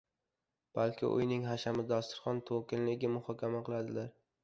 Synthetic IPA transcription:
b̥alkʲʰɪ̰ʔʊ̰jnɪŋɦaʃamɪd̪ɒst̪ɪ̥ɾχɒnt̪ʰokʲɪnlɪɡʲɪmʊhɒkʲʰamaqʰɨlˠad̪ɪlaɾ

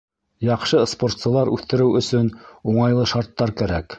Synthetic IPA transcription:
jɑqʃɤspo̞rt̪sɤ̆lˠɑɾʉθt̪ɘ̆ɾɘwɵ̆sɵnuɴɑjlˠɤʃɑɾt̪ːɑɾkæɾæk

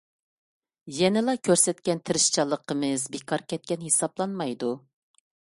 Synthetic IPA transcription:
jɛnɪlˠɑkʲʰøɾsɛt̪kʲɛnt̪ʰɪɾɪʃt͡ʃʰɑlˠːəqʰəmɨzbekʰɑɾkʲʰɛt̪̚kʲɛnhesɑblˠɑnmɑjd̪u

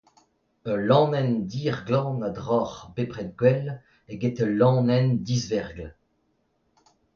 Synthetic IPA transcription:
əlɑ̃nɛnd̪iːʁɡlɑ̃ːnad̪ʁɔʁbepʁɛt̪̚ɡwɛl | eɡet̪əlɑ̃ːnɛnd̪izvɛʁɡl

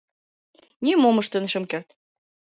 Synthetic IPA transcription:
nʲimomə̆ʃt̪ə̆nə̆ʃə̆mkert̪

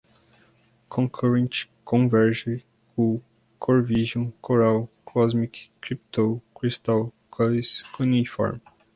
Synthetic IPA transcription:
kʰõkʰɔɾẽnt͡ʃkõvɛɾʒɪ | u | kʰoɾviʒõkʰoɾawkʰɔzmikɾipt̪okɾist̪aw | kʰɔiskunifɔ̰ɾm

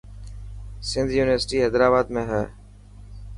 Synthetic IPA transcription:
sɪ̃nd̪ʱjuːnɪʋəɾsɪʈiːɦɛːd̪ɾaːbaːd̪mẽːɦɛː

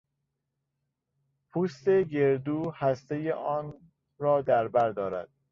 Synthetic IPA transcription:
pʰuːst̪e̞ɡeɾd̪uːhæst̪ejeʔɒːn | ɾɒːd̪æɾbæɾd̪ɒːɾæ̰d̪̥̚

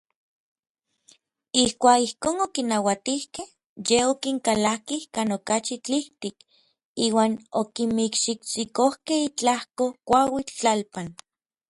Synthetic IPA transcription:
ihkʷaːkihkoːnokinawat̪ihkeh | jeokiŋkalakihkaːnokat͡ʃit͡ɬiht̪ik | iːwaːnokimikʃikt͡sikohkehit͡ɬahkokʷawit͡ɬalpan

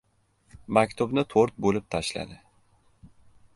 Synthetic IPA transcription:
mact̪ʰubnat̪ʰoɾt̪̚bolˠup̚t̪ʰaʃlˠa̰d̪ɪ

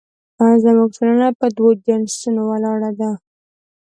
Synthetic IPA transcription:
azamuɡ̚tolənapəd̪wod͡ʒansunowalɑɽad̪a

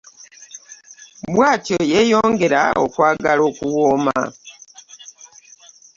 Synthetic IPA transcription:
bwaːcojejo̞ːŋɡeɾa̰o̰kwaːɡalo̞kuwoːma̰

